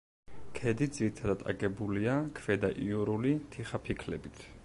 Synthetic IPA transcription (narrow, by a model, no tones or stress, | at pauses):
kʰɛd̪id̪ziɾit̪ʰad̪at̪ʼa̰ɡɛbuliakʰvɛd̪aʔiuɾulit̪ʰiχapʰikʰlɛbit̪ʰ